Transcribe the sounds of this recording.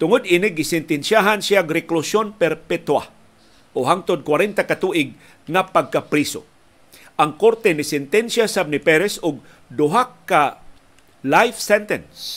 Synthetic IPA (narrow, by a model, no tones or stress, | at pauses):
t̪ʊŋʊd̪inɪɡɪsɛnt̪ɛnsjaɦansiaɡɾɪklʊsjonpɛɾpɛt̪wa̰ | ʔoɦaŋt̪od̪̚kwaɾɛnt̪akat̪uʔɪɡ̚ | ŋapaɡ̚kapɾiso̰ | ʔaŋkoɾt̪ɛnɪsɛnt̪ɛnsjasab̚nɪpɛɾɛsʊɡ̚ | d̪ʊɦakːa | lajfsɛnt̪ɛns